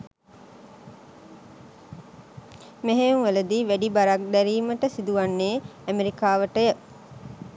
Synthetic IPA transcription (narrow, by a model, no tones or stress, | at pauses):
meɦeŋʋələd̪iʋæɖibaɾak̚d̪æɾiːməʈəsid̪uʋanːeːæmeɾikaːʋəʈəjə